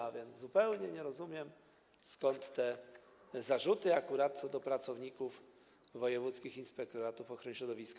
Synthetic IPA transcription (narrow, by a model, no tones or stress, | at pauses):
avʲjɛnd̪zzupɛwɲɛɲɛɾɔzumʲjɛm | skɔnt̪ːɛ | zaʐut̪ɘakuɾat̪̚t̪sɔd̪ɔpɾat̪sɔvɲikuf | vɔjɛvut̪skʲixinspɛk̚t̪ɔɾat̪ufɔxɾɔɲɕɾɔd̪ɔvʲisk